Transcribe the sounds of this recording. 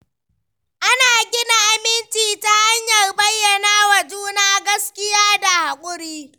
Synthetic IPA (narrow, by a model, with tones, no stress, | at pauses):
ʔa˦naː˨ɡʲɪ˦na˨ʔa˨mɪ˦nt͡ʃiː˨ta˦ha˦ɲjɐ˨rbɐ˦jːɐ˨naː˦wa˨d͡ʒuː˦naː˦ɡɐ˦skʲɪ˦jaː˦da˨ha˨kʷʼʊ˦ɽiː˦